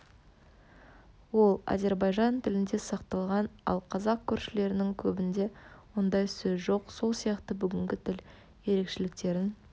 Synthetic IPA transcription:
wo̞lˠa̰ze̞ɾbɑjʒɑnt̪ʰɪlɪnd̪e̞sɑqt̪ɑlˠʁɑnɑ̰lˠqʰɑzɑq̚kʲʰʏɾʃɪle̞ɾɪnɪŋkʲʰɵbɪnd̪e̞wond̪ɑjsɵzʒo̞qso̞lˠsijɑqt̪əbʏɡʲɪŋɡʲɪt̪ʰɪl | je̞ɾe̞kʃe̞lɪk̚t̪e̞ɾɪn

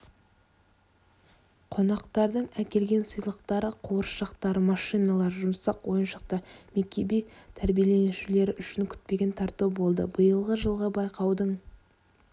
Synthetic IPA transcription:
qʰo̞nɑqt̪ɑɾd̪əɴækʲe̞lɡʲe̞nsəjlˠəqt̪ɑɾəqʰoɾʃɑqt̪ɑɾmɑʃijnɑlˠɑɾʒʊmsɑqwo̞jənʃəq̚t̪ɑmek̚ʲebijt̪ʰæɾbijelenuʃɪle̞ɾɪʔʏʃɪŋkʲʰʏ̥t̪̚pe̞ɡʲent̪ʰɑɾt̪ubo̞lˠd̪ə̰bəjəlˠʁəʒəlˠʁəbɑjqɑwd̪əɴ

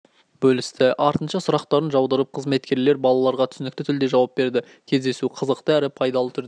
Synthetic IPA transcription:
bɵlɪst̪ɪʔɑɾt̪ənʃɑsʊɾɑqt̪ɑɾənʒɑwd̪əɾəp̚qʰəzme̞t̪kʲe̞ɾle̞ɾbɑlˠɑlˠɑɾʁɑt̪ʰʏ̥sɪnɪk̚t̪ɪt̪ʰʏld̪eʒɑwɑp̚be̞ɾd̪ɪ | kʲʰe̞zd̪e̞suqʰəzəqt̪əæɾɪpʰɑjd̪ɑlˠət̪ʰʏɾd̪

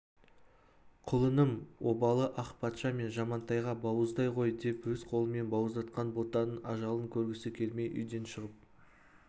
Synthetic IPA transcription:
qʰʊlˠənəmwo̞bɑlˠəʔɑqpʰɑt̪ʃɑme̞nʒɑmɑnt̪ɑjʁɑbɑwəzd̪ɑjqʰo̞jd̪e̞pwɵzqʰo̞lˠəme̞nbɑwəzd̪ɑt̪qɑnbo̞t̪ɑnənɑʒɑlˠəŋkʲʰɵɾɡʲɪsɪkʲʰe̞lme̞jʔʏ̰jd̪e̞nʃəʁəp̚

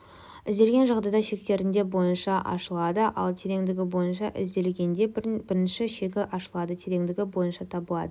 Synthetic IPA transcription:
ɪzd̪e̞lʲɡʲe̞nʒɑqd̪ɑjd̪ɑʃe̞k̚t̪e̞ɾɪnd̪e̞bo̞jənʃɑʔɑ̰ʃəlˠɑd̪əʔɑ̰lˠt̪ʰe̞ɾe̞ŋd̪ɪɡʲɪbo̞jənʃɑʔɪ̰zd̪e̞lɡʲe̞nd̪e̞bɪɾɪnʃɪʃe̞kʲɪʔɑʃəlˠɑd̪ət̪ʰe̞ɾe̞ŋd̪ɪɡʲɪbo̞jənʃɑt̪ʰɑbəlˠɑ̰d̪ə

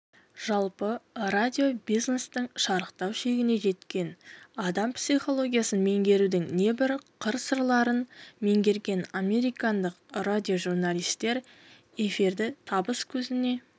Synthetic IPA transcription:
ʒ̥ɑlˠpəradʲijo̞bijznest̪əɴʃɑɾəqt̪ɑwʃe̞ɡʲɪne̞ʒe̞t̪kʲe̞nɑd̪ɑmpsijχo̞lˠo̞ɡʲijasənme̞ŋɡʲe̞ɾud̪ɪŋne̞bɪɾqʰəɾsəɾlˠɑɾənme̞ŋɡʲe̞ɾɡʲe̞namʲe̞ɾijkɑnd̪əqradʲio̞ʒuɾnalˠijst̪e̞ɾ | e̞fiɾd̪ɪt̪ʰɑbəskʲʰɵzɪne̞

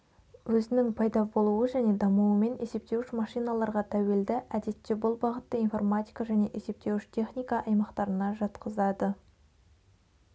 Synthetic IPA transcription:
wɵzɪnɪŋpʰɑjd̪ɑbo̞lˠuwəʒæne̞d̪ɑmuwəme̞ne̞se̞p̚t̪e̞wɪʃmɑʃijnɑlˠɑɾʁɑt̪ʰæwe̞ld̪ɪʔæd̪e̞t̪ːebʊlˠbɑʁət̪ːəinfo̞rmat̪ʲijkaʒæne̞ʔese̞p̚t̪e̞wɪʃt̪ʰʲe̞χnʲijkɑʔɑjmɑqt̪ɑɾənɑʒɑt̪qəzɑd̪ə

